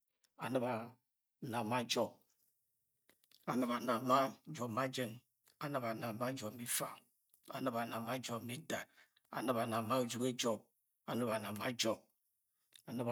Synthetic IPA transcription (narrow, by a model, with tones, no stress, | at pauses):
a˨nə˦ba˨ | na˨ma˦d͡ʒɔ˦b̚ | a˨nɨ˦ba˨na˨ma˦d͡ʒɔ˨ma˦d͡ʒe˦n | a˨nə˦ba˨na˨ma˦d͡ʒɔ˨mi˦fa˨ | a̰˨nə˦ba˨na˨ma˦d͡ʒɔ˨bmi˦da˨ | a̰˨nɨ˦ba˨na˨ma˦u˨d͡ʒu˦ke˦d͡ʒɔ˦b̚ | a˨nə˦ba˨na˨ma˦d͡ʒɔ˦b̚ | a˨nɨ˦˨